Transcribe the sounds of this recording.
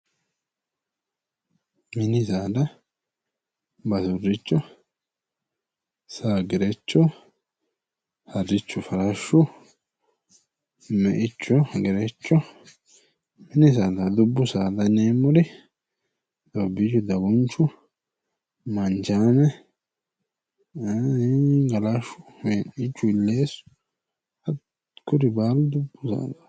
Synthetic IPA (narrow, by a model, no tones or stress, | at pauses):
mɪnɪsaːd̪ɐ | bɐsʊrɪt͡ʃːɔ | saːɡɛɾɛt͡ʃːɔ | hɐrːɪt͡ʃːʊfɐɾɐʃːʊ | mːɛʔɪt͡ʃːɔɡɛɾɛt͡ʃːɔ | mɛnɪs̬aːd̪ɐd̪ʊbːʊsaːd̪ɐneːmːɔd̪ɪ | d̪ɔbɪd͡ʒɔd̪ɐɡɔnt͡ʃːʊ | mɐnt͡ʃaːnɛ | ɡɐlaʃʊmenɪt͡ʃːʊɪlːe̞ːsʊ̥ | hɐ | kʊɾɪbaːlʊd̪ʊbːʊsa̰ːd̪ɐ̥